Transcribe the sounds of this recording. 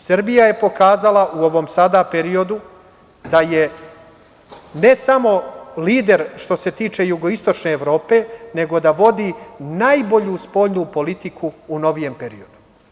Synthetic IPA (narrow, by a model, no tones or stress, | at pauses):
sɾbijaje̞po̞kaːzalˠaʔuo̞ʋo̞msad̪ape̞ɾio̞d̪u | d̪aje̞ | ne̞samo̞liːd̪e̞ɾʃt̪o̞se̞t̪iːt͡ʃe̞juɡo̞ist̪o̞t͡ʃne̞ːʋɾo̞ːpe̞ne̞ɡo̞d̪aʋo̞d̪inajbo̞ʎuspo̞ʎnupo̞lit̪ikʰuːno̞ʋije̞mpe̞ɾḭo̞d̪u̥